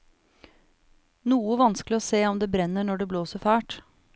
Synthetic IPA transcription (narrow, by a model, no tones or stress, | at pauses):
nuːəʋɑnsklɪɔːseːɔmd̪eːbɾɛnːəɳɔɖɛbloːsəɾfæːʈ